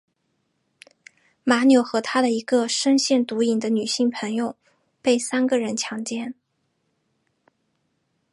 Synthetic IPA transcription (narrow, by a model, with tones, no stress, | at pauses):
ma˧˥njo˨˧˩ʊxɤ˧˥t̪ʰa˥d̪ə˨i˧˥ɡə˧ʂə˥nɕjɛ˥˩nt̪u˧˥i˨˩ŋd̪ə˦ny˨˩ɕi˥˩ŋpʰə˧˥ŋjo˨˧ʊ | pe˥˩ɪsa˥nɡə˨ɻə˧˥nt͡ɕʰjɑ˧˥ŋt͡ɕjɛ˥˩n